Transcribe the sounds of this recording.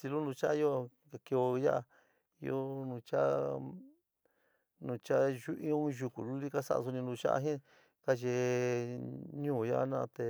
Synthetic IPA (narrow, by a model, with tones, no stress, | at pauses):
si˧lu˦nũ˧t͡ʃa˦˧˦o˦˧ | ka˧ke˧o˧ja˦ʔa˧ | i˧o˦nũ˧t͡ʃa˦ | nũ˨˧t͡ʃa˦ʒu˦ʔĩ˦õ˦˧˦ʒu˧ku˨lu˦li˦ka˦sa̰˦˧a̰˧s̬u˧nĩ˧nũ˧t͡ʃa̰˦ʔa̰˧ɦĩ˦ | ka˦ʒe˧ | ɲũː˦˨ja˦ʔa˧nã˦˧t̪e˧